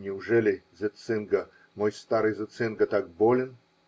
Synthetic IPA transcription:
nʲɪʊʐɛlʲɪzɨt̪sɨnɡə | mojst̪aɾɨjzɨt̪sɨnɡət̪ak̚bolʲɪn

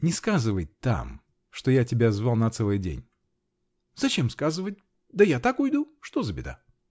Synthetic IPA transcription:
nʲɪskazɨvəjt̪a̰m | ʂt̪ojatʲɪbʲazvalˠnɐt̪sɛlˠɨjdʲḛnʲ | zɐt͡ɕemskazɨvət̚ʲ | d̪əjat̪akʊjd̪uʂt̪ozəbʲɪd̪a̰

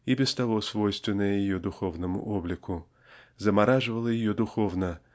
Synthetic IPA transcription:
ibʲɛst̪ɐvɔsvɔjst̪vʲɪnːəjəjɪjɔd̪ʊxɔvnɐmʊ̰ʔɔblʲɪkʰʊ | zɐmaɾaʐɨvɐlˠəjɪjɔd̪ʊxɔvnɐ

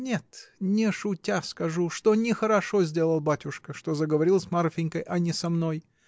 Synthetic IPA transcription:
nʲe̞t̪nʲɪʂʊtʲaskɐʐuʂt̪o̞nʲɪxəɾɐʂo̞zʲdʲe̞lˠəlˠbatʲʊʂkəʂt̪o̞zəɡəvɐɾʲilˠsʲmarfʲɪnʲkəjʔɐnʲɪsɐmnoj

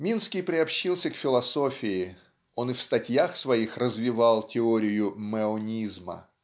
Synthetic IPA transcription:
mʲinskʲɪjpɾʲɪɐpɕːilˠsʲəkfʲɪlˠɐso̞fʲɪɪ | o̞nɨfst̪ɐtʲjaxsvɐixrəzvʲɪvɑlˠtʲɪoɾʲɪjʊməonʲizmə̰

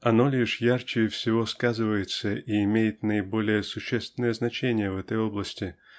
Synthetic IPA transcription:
ɐno̞lʲiʂjart͡ɕɪjɪfsʲɪvo̞skazɨvəjɪt̪səʔʔiɪmʲejɪt̪nəɪbo̞lʲɪjəsʊɕːest̪vʲɪnəjəznɐt͡ɕenʲɪjəvɛt̪əjo̞blˠəsʲtʲɪ

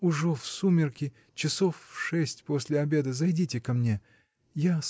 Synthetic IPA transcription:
ʊʐɛfsumʲɪrkʲɪ | t͡ɕɪsofʂɛsʲtʲposʲlʲɪɐbʲe̞d̪əzɐjdʲitʲɪkɐmnʲe̞ | jas

